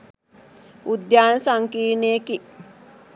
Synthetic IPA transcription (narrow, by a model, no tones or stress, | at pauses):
ud̪jaːnəsaŋkiːɾneːki